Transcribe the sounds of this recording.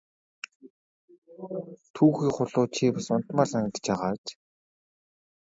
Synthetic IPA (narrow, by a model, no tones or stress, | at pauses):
t̪ʰuːxiːχʊɮʊːt͡ɕʰiːpasʊn̥t̪maːrsaŋə̆t̪̆t͡ɕaʁaːt͡ɕ